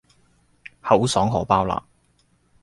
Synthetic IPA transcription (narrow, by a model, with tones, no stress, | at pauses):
hɐ˨˥wsɔː˨˥ŋɦɔː˨˩paː˥wla̰ː˨